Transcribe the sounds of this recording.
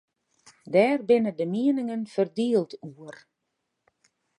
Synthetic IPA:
dɛːrbɪnədəmiənɪŋənfərdiəlˠtuər

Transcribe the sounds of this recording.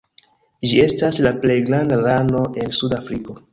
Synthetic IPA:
d͡ʒie̞staslaple̞jɡɾandalano̞ʔe̞nsudafɾiko̞

